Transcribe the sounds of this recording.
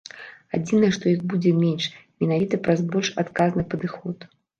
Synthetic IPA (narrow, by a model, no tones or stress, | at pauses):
ad͡zʲinɐjɛʂt̪ɔjiɣbud͡zʲɛmʲɛnʂmʲɛnavʲit̪ɐpɾazbɔlʲʂa̰t̪kaznɨpɐd̪ɨxɔt̪